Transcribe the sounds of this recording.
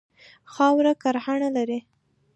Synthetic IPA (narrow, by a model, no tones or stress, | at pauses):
xɑwɾakaɾhaɳalaɾi